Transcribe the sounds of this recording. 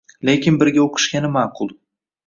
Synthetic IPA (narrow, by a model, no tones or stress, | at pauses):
le̞kʲɪnbɪɾɡʲaoqʰɨ̥ʃɡʲanɪmaqʰʊlˠ